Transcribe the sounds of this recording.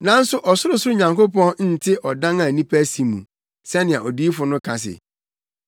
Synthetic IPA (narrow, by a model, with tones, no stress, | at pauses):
nã˨˦n̩˦sʊ˦ʔɔ˨sʊ˦ɾʊ˨sʊ˦ɾʊ˦ɲã˨ŋko˦pɔ̃˦nn̩˦˨tʰɪ˦ʔɔ˨dã˦ŋã˨nĩ˦pʰæ˦si˨mũ˨ | sɛ˦nɪ̃˨a˨ɔ˨di˦fʊ˨nʊ̃˦kʰã˨s̬ɪ̰˨